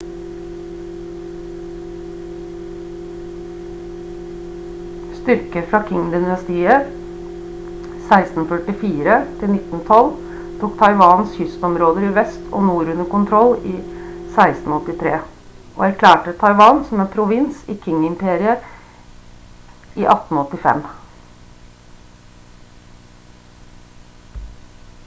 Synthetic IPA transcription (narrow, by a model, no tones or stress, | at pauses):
st̪ʏɾkəɾfɾɑːkʰɪŋːd̪ɪnnɑst̪iːə | sæɪst̪n̩fœʈɪfiːɾət̪ʰɪlnɪt̪ːn̩t̪ʰɔl | t̪ʰuːkt̪ʰɑɪʋɑːnshʏst̪ɔmɾoːd̪əɾiːʋɛst̪ʰo̰ːnuːɾʉnəkʊnt̪ʰɾɔliːsæɪst̪n̩ɔt̪ːɪt̪ʰɾeː | ʔo̰ːæɾkʰlæːʈət̪ʰɑɪʋɑːnsɔmɛnpʰɾʊʋɪnsiːkʰɪŋːɪmpʰeːɾɪə | ʔiːʔɑt̪n̩ɔt̪ːɪfɛ̰m